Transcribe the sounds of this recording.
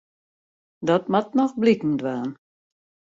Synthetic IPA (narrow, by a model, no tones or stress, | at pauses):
dɔt̚matnɔxblikn̩dwaːn